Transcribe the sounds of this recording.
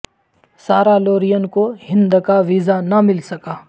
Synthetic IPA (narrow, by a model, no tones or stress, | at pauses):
saːɾaloːɾijənkoɦɪ̃nd̪kaʋizanɐmɪlsɐkaː